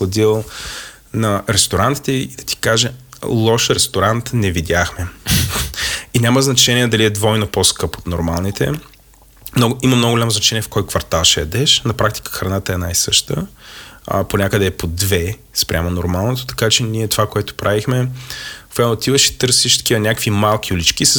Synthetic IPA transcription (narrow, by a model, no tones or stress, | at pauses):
ɐd̪ilˠ | nɐɾɛst̪oɾant̪i̥t̪ɛid̪ɐ̥t̪i̥kaʒɛlˠɔʃɾɛst̪oɾant̪nɛvid̪ʲaxmɛ | inʲaməznɐt͡ʃɛniɛd̪ɐliɛd̪vɔjnoposkɤpo̥t̪noɾmalˠnit̪ʰɛ̰ | mnɔɡʊimɐmnɔɡʊɡolʲamoznɐt͡ʃɛniɛfkɔjkvɐɾt̪alˠʃɛjɐd̪ɛʃnɐpɾak̚t̪i̥kə̥xɾɐnat̪əɛnajsɤʃt̪ə̰ | ponʲakəd̪ɛːpod̪vɛ | spɾʲʔa̰monoɾmalˠnot̪o̥t̪ɐ̥kat͡ʃɛniɛt̪ovakoɛt̪o̥pɾʔavixmɛ | fɛot̪ivəʃi̥t̪ɤɾsiʃt̪ɐ̥k̟ivənʲakvimalˠk̟ʲiʊlit͡ʃk̟is